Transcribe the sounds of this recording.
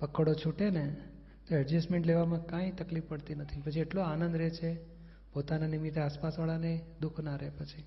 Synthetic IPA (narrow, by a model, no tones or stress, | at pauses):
pəkəɽot͡ʃʰuʈene | t̪oɛd͡ʒəsʈmeɳʈleʋamãkãit̪əklifpəɽt̪inət̪ʰipət͡ʃʰieʈloanə̃nd̪ɾet͡ʃʰe | pot̪ananimit̪ʰeaspasʋaɭaned̪ukʰnaɾepət͡ʃʰi